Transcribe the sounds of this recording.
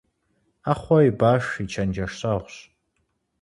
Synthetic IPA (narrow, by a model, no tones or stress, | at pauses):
aχʷɔibaʂit͡ʃʰand͡ʒaʂsaʁʷɕ